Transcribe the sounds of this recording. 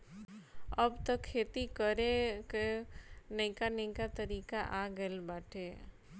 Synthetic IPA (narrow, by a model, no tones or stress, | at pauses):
əbt̪əkʰːeːt̪ikəɾekenəɪ̃kanə̃ĩkat̪əɾiːkaʔaɡəlbaːʈʰeː